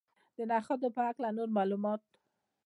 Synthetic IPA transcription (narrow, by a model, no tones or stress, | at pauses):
d̪̥ənɑxad̪opəhaklanoɾmɑlumɑt̪̚